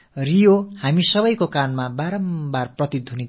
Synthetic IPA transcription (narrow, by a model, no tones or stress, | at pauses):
rijohamisʌbʌjkokanmabaɾʌmbarprʌt̪id̪ʱuni